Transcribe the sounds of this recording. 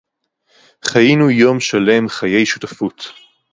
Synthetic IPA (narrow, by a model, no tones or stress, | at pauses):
χajinujo̞mʃale̞mχaje̞jʃutafut